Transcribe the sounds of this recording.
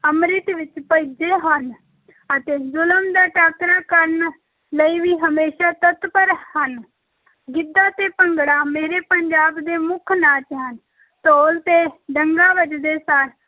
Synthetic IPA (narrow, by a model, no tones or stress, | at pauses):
əmɾɪt̪ʋɪt͡ʃpəid͡ʒeːɦən | ət̪eːzʊləmd̪aːʈaːkɾaːkəɾn | ləiːʋiːɦəmeːʃaːt̪ət̪pəɾhən | ɡɪd̪ːaːt̪eːpəŋɡɽaːmeːɾeːpəɲd͡ʒaːbd̪eːmʊkʰnaːt͡ʃɦən | t̪oːlt̪eːɖəŋɡaːʋəd͡ʒd̪eːsaːɾ